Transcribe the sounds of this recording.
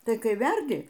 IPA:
tɐɪ ˈkɐɪ ˈʋʲɛrʲdʲɪ

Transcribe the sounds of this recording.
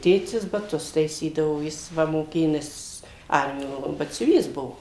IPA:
ˈtʲeːtʲɪs bɐˈtʊs tɐɪˈsʲiːdɐʋoː ˈjɪs ˈʋɐ moːˈkʲeːjoː ˈnʲɛs ˈɐrʲmʲɪjoː bɐtʲsʲʊˈʋʲiːs ˈbʊʋoː

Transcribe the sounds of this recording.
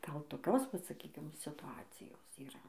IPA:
ˈɡɐlˠ toːˈkʲoːs ˈʋɐt sɐˈkʲiːkʲɪm sʲɪtʊˈɑːt͡sʲɪjoːs iːˈrɐ

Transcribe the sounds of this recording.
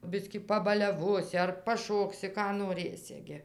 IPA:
ˈbʲɪsʲkʲiː pɐbɐlʲɛˈʋoːsʲɪ ɐr pɐˈʃoːksʲɪ ˈkɑː noːˈrɘsʲɪ ɡʲɪ

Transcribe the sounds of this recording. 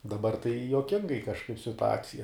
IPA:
dɐˈbɐr tɐɪ juɔˈkʲɪŋɡɐɪ kɐʃˈkɐɪp sʲɪtʊˈɑːt͡sʲɪjɛ

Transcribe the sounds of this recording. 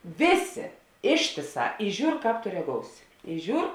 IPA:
ˈʋʲeːˌsʲeː ˈɪʃʲtʲeːˌsɑː ɪ ˈʒʲuːr ˈkɑːp toː rʲɛˈɡoːʊsʲɪ ɪ ˈʒʲuːr

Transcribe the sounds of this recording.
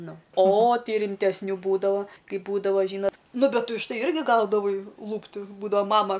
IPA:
ˈnʊ oː ˈtɐɪ rʲɪmʲtʲɛsʲˈnʲuː ˈbuːdɐʋoː ˈkɐɪp ˈbuːdɐʋɐ ˈʒʲiːnɐ ˈnʊ ˈbʲɛt ʊʃ ˈtɐɪ ˈɪrʲɡʲɪ ˈɡɐʊdɐʋɐɪ ˈlˠuːpʲtʲɪ ˈbuːdɐʋɐ ˈmɑːmɐ

